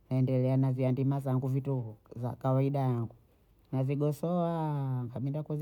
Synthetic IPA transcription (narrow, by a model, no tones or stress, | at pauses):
naɛndɛlɛanaziandimazaŋɡuvituhuza̰kawaiɗajaŋɡu | naziɡɔsɔaŋɡaɓindakuz